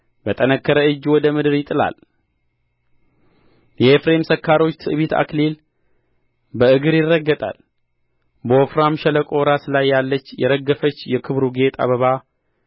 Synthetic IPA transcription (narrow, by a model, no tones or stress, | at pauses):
bət̪ʼənəkʰːəɾəɨd͡ʒːwɔd̪əmɨd̪ɨɾjɪt̪ʼɨla̰l | jɛefɾe̞msəkʰːaɾo̞t͡ʃːt̪ʰɨʔɨβit̪ʰa̰klel | bəɨɡɨɾjɪrːəɡːət̪ʼa̰l | bəofɾamʃɛləkʼoɾasɨlajːalːət͡ʃːjɛɾəɡːəfət͡ʃːjɛkʰɨβɾuɡe̞t̪ʼa̰βəβa